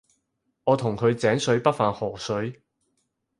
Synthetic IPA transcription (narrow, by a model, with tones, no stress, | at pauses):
ŋɔː˨˧t̪ʰʊ˨˩ŋkʰɵ˨˧ɥt͡sɛː˨˥ŋsɵ˨˥ɥpɐ˥t̚faː˧nhɔː˨˩sɵ˨˥ɥ